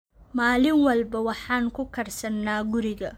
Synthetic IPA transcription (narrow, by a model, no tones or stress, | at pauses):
maːlɪŋwɐlbɐwɑħɑːŋkʰʊkʰɐrsɐnːaːɡʊɾɪɣɐ